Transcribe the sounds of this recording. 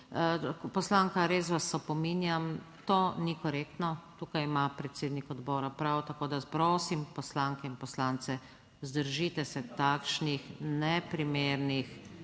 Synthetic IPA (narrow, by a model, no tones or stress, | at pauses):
pɔslaːŋkaɾeːs̬ʋasːɔpɔminjamt̪oːnikɔɾeːkt̪nɔt̪ukajimapɾɛt̪seːd̪nikɔd̪bɔːɾapɾawt̪akoːd̪aspɾoːsimpɔslaŋkɛinpɔslaːnt̪sɛ | zd̪əɾʒit̪ɛsɛt̪akʃnixnɛpɾimeːɾnix